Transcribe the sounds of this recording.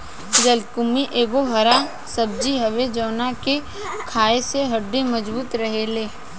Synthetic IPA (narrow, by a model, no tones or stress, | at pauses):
d͡ʒəlkʊmiʔeːɡoɦɐɾa | sɐb̚d͡ʒiɦɐʋed͡ʒɔːnake | kʰaːeseɦɐɖːemɐd͡ʒbuːt̪ɾɐɦeleː